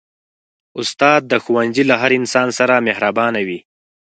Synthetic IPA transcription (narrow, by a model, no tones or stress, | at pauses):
ʊst̪ɑːd̪̚ːəxuwanzilaɦaɾɪnsɑːnsaɾamehɾabɑnawi